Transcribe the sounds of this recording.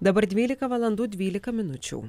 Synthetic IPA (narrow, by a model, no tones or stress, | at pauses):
d̪ɐbɐɾd̪ʲʋʲilʲɪkɐʋɐlˠɐnd̪ud̪ʲʋʲiːlʲɪkɐmʲɪnut͡ʃʲʊ̰w